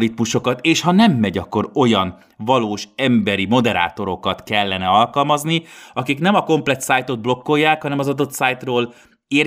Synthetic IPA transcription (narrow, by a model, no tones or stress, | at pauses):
lit̪muʃo̞kɒt̪eːʃhɒnɛmːɛɟɒkːo̞ɾo̞jɒn | vɒloːʃɛmbɛɾimo̞d̪ɛɾa̰ːt̪o̞ɾo̞kɒt̪kɛlːɛnɛɒlkɒlmɒzniɒkiknɛmɒko̞mplɛt̪saːjt̪o̞d̪̚blo̞kːo̞jːaːkhɒnɛmɒzɒd̪o̞t̪saːjt̪roːl | er